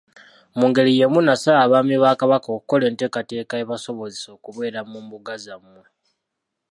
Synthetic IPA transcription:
muːŋɡe̞ɾije̞munasaːβaːmiβaːkaβakoku̥ko̞le̞ːnte̞ːkate̞ːkaeβaso̞βo̞zeso̞ːkuβwe̞ːɾamuːmbuɡazamːu

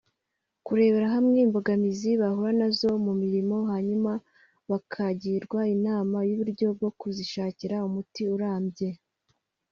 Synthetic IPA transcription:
kuɾe̞ːβe̞ɾaɦamŋeimbo̞ɡamiziβahuɾanazo̞mumiɾimo̞ɦaɲuma | βakʰaɟiːɾɡwainaːmajuβuɾɟo̞b̚ɡo̞kuziʃaːciɾaumutiuɾaːmbje̞

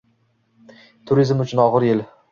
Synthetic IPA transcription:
t̪ʰʊɾizmʊt͡ʃʰʊnɒʁɨɾjɪl

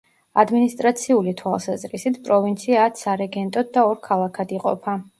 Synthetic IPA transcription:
ad̪minist̪ʼɾat̪sʰiulit̪ʰwalˠsazɾisit̪ʰpʼɾɔvint̪sʰiat̪saɾɛɡɛnt̪ʼɔd̪̚d̪aɔɾkʰalˠakʰad̪iqʼɔ̰pʰa

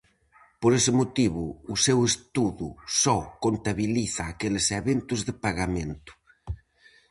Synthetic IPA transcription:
poɾesɪmot̪iβuːsewest̪uðusɔkont̪aβiliθaːkeleseβent̪uzðepaɣamẽnt̪u̥

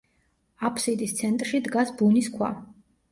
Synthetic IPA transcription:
apʰsid̪ist̪sʰɛnt̪ʼɾʃid̪ɡasbuniskʰwa̰

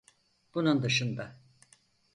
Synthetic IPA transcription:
b̥unund̪ɯʃɯnd̪a

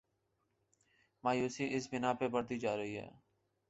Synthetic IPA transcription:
maːjuːsiːʔɪsbɪnaːpeːbəɽd̪iːd͡ʒaːɾəɦiːɦɛ̰ː

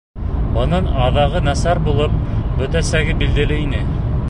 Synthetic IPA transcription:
bɤ̆nɤnɑðɑʁɤnæsæɾbulˠɤp̚bɵ̆t̪æsæɡɘbild̪ɘ̆lɘinɘ

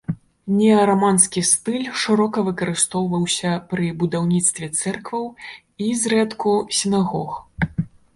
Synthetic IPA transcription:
nʲɛɐɾamanskʲist̪ɨlʲʂɨɾɔkɐvɨkɐɾɨst̪ɔwvɐwsʲɐpɾɨbud̪awnʲit̪st̪vʲɛt̪sɛrkvɐw | izrɛt̪kusʲinaɣɔx

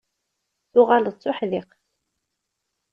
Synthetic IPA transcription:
θʊʁalt͡sːʊħðɪq

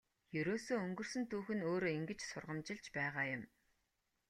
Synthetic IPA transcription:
jɵɾoːsoːɵŋɡɵ̆r̥sɵ̆nt̪ʰuːxɵ̆noːɾoːiŋɡɘ̆t͡ɕsʊ̰rʁə̆mt͡ɕɪ̆ɮt͡ɕpæːʁaːjʊ̆m

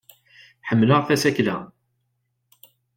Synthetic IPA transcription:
ħəmːləʁfæsæklæ

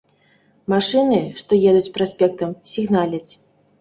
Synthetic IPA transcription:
maʂɨnɨʂt̪ɔjɛd̪ut͡sʲpɾasʲpʲɛk̚t̪ɐmsʲiɣnalʲɐt͡sʲ

